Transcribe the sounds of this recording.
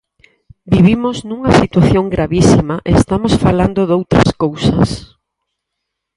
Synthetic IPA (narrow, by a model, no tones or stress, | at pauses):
biβimoznũŋɐsit̪waθjoŋɡɾaβisimaʔeest̪amosfaland̪oðowt̪ɾɐ̰skowsɐ̰s